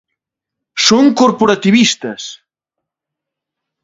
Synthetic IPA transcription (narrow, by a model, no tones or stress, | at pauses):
soŋkoɾpoɾat̪iβist̪ɐs